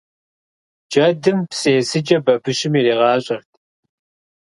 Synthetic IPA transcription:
d͡ʒɐdɨmpseːsɨd͡ʒɐbɐbʰɨɕɪmiriːʁɑːɕʼɐrtʰ

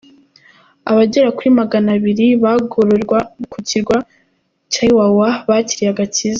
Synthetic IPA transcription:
aβaɟeɾakuɾimaɡanaβiɾiβaɡoɾoɾɡwakuciɾɡwa | caiwawaβaciɾiaɡat͡ʃiza

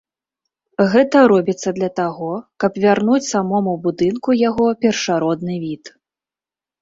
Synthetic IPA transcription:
ɣɛt̪ɐɾɔbʲit̪sːɐd̪lʲɐt̪aɣɔkɐpvʲarnut͡sʲsamɔmubud̪ɨnkujaɣɔpʲɛrʂaɾɔd̪nɨvʲit̪

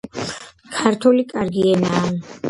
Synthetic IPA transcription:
kʰaɾt̪ʰulikʼaɾɡiɛnaː

